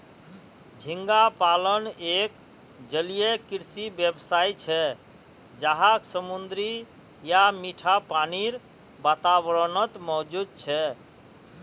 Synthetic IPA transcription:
d͡ʒʱiŋɡapalənek | d͡ʒəlijekiɾsibjebsait͡ʃʰɛ | d͡ʒaɦaksəmund̪ɾi | jamiʈʰapaniɾ | bat̪abɾənət̪mɔɦd͡ʒud̪̚t͡ʃʰɛ

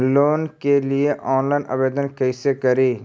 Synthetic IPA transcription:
loːnkelieʔɔːnlaːɪnʔɐ̰ʋeːd̪ənkəɪsekɐɾiː

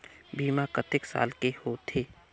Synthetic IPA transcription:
biːmakət̪ɪksa̰ːlkehot̪ʰeː

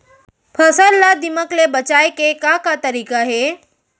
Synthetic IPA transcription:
pʰəsəɾlad̪ɪməklebət͡ʃaːekekakat̪ɐɾiːkaɦeː

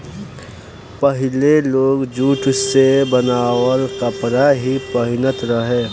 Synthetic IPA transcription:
pəɦɪleloːɡd͡ʒuːʈʰsebənaːwəlkəpɾaɦipəɦɪnət̪ɾəɦẽː

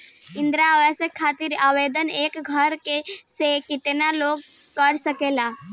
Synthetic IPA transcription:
ɪ̃nd̪ɾaʋɛsekʰːaːt̪ɪɾaːʋeːd̪əneːkɡʱəɾkesekɪt̪naloːɡ | kəɾsəkeːlaː

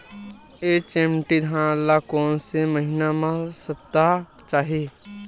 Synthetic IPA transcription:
et͡ʃẽːmʈid̪ʱãlːakɔːnseməɦinamãsəp̚t̪a | t͡ʃaːɦe

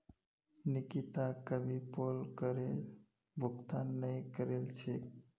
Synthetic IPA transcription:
nikit̪akəbʱipolkəɾe | bʱʊkt̪anːəjkəɾelt͡ʃʰe

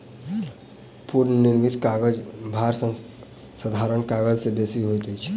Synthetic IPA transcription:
puːɾnnɪɾmɪt̪kaːɡəd͡ʒbʱaːɾsə̃ | səd̪ʱaːɾəɳkaːɡəd͡ʒsebeːsiɦot̪it͡ʃʰi

